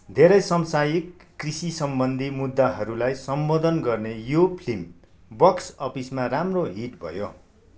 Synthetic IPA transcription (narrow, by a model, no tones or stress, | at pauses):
d̪ʱeɾʌjsʌmsajikː | risisʌmbʌnd̪ʱimud̪ːaɦʌɾulajsʌmbod̪ʱʌnɡʌrnejopʰlim | bʌksʌpismaramroɦiʈbʱʌ̰jo̰